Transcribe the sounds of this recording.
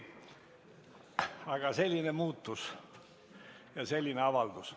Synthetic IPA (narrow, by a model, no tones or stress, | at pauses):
ɑɡ̥ɑse̞lʲːinemuːt̪ːus | jɑse̞lʲːineɑvɑld̪̥us